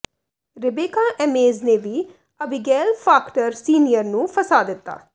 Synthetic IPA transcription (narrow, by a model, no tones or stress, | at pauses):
ɾɪbeːkaːʔɛmeːzneːʋiː | əbɪɡɛːlpʰaːkʈəɾsiːnijəɾnũːpʰəsaːd̪ɪt̪ːa̰ː